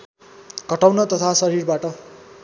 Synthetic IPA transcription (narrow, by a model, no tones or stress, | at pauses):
kʌʈawnʌt̪ʌt̪ʰasʌɾirbaʈʌ